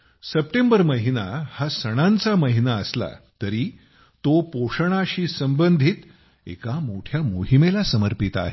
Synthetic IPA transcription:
səp̚ʈembəɾməɦinahasəɽ̃ãnt͡saməɦinaəsla̰t̪əɾiː | t̪opoʂəɽ̃aɕiːsəmbənd̪ʱiːt̪ | ḛkamoʈʰjamoɦimelasəməɾpit̪a̰ɦe

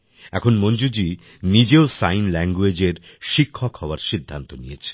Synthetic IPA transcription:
ɛkʰonmond͡ʑud͡ʑi | nid͡ʑeosajnlɛŋɡued͡ʑeɾ | ʃikʰːokhɔoaɾʃid̪ʱːant̪onijet͡ɕʰe̥

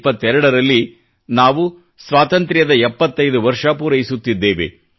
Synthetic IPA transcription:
pːɐt̪ːɛɾɐɽɐɾɐlːi | naːʋu | sʋaːt̪ɐnt̪ɾjɐd̪ɐɛpːɐt̪ːɐjd̪uʋɐɾʂɐpuːɾɐjisut̪ːid̪ːeːʋḛ

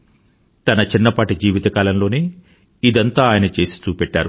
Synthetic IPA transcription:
t̪ɐnɐt͡ʃinːɐpaːʈid͡ʒiːʋit̪ɐkaːlɐmlo̞ːneː | id̪ɐnt̪aːaːjɐnɐt͡ʃe̞ːsi̥t͡ʃuːpɛʈːa̰ːɾu

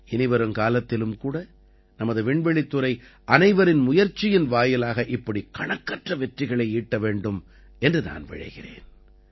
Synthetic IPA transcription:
ɪnɪʋɐɾɯmkaːlɐt̪ːɪlɯmkuːɽɐ | nɐmɐðɯʋɪɳʋɛɭɪt̪ːɯɾɐɪ | ʔɐnɐɪʋɐɾɪnmʊjɐɾt͡ʃːɪjɪnʋaːjɪlaːɣɐʔɪpːɐɽikɐɳɐkːɐʈrɐʋɛʈrɪɣɐɭɐɪiːʈːɐʋeːɳɖɯm | ɛndrɯna̰ːnʋɪ̰ɻɐ̰ɪɣɪrḛːn

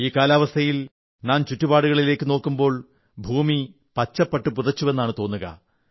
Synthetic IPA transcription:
iːkːaːlaːʋɐst̪ʰɐjil | naːnt͡ɕutːubaːɽuɣɐɭile̞ːkːɨno̞ːkːumbo̞ːɭ | bʱuːmi | pɐt͡ɕːɐpːɐʈːɨpuðɐt͡ɕːuʋe̞nːaːɳɨt̪o̞ːnːuɣɐ̰

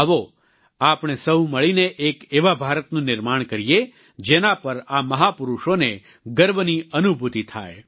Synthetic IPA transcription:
ɦəʋo | apɳ̃esəɦũməɭineʔekeʋabʱaɾət̪nũnɪɾmaɳkəɾije | d͡ʒenapəɾaməɦapʊɾuʃone | ɡəɾbniənubʱut̪it̪ʰa̰j

